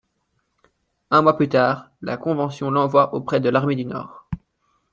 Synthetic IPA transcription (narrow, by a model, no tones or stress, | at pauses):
ɛ̃mwaplyt̪aːʁ | la̰kɔ̃vɑ̃sjɔ̃lɑ̃vwaʔopχɛd̪əlaʁmed̪ynɔ̰ːʁ